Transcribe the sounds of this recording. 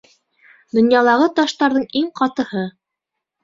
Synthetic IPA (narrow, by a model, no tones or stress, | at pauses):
d̪ŏnjɑlˠɑʁɤt̪ɑʃt̪ɑɾðɤɴiŋqɑt̪ɤ̆hɤ